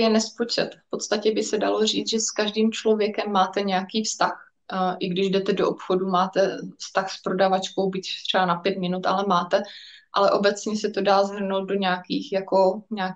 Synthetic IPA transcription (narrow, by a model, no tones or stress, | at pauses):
jɛnɛspot͡ʃɛt̪fpo̞t̪st̪acɛbɪsɛdalo̞r̝iːt͡s̪ʒɛskaʒdiːmt͡ʃlo̞vjɛkɛmːaːt̪ɛɲɛakiːfst̪ax | ʔɪɡdɪʒdɛt̪ɛdoʔopxo̞dumaːt̪ɛfst̪axspɾo̞davat͡ʃko̞wbɪct̪r̥ɛbanapjɛt̪mɪnut̪ʔa̰lɛmaːt̪ɛʔa̰lɛʔo̞bɛt͡sɲɛsɛt̪o̞daːzɦr̩nowt̪̚do̞ɲɛaːkiːxjako̞ɲɛa